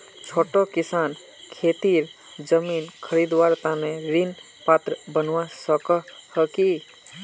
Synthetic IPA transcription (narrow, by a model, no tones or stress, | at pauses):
t͡ʃʰoːʈokisan | kʰet̪iɾ | d͡ʒəminkʰəɾid̪waɾt̪aneɾin | pat̪ɾəbənwasəkəhəki